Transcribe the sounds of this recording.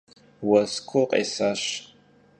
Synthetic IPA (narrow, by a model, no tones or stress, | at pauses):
wɐskʷʰoqʼḛsaːɕ